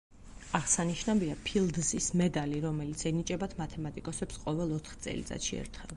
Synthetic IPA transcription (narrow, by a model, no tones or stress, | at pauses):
aʁsaniʃnaviapʰilˠd̪zismɛd̪ʼaliɾɔmɛlit̪sʰɛnit͡ʃʼɛbat̪ʰmat̪ʰɛmat̪ʼikʼɔsɛpsqʼɔvɛlˠɔt̪ʰχt̪sʼɛ̰lit̪sʼa̰t̪ʃiɛ̰ɾt̪ʰχɛlˠ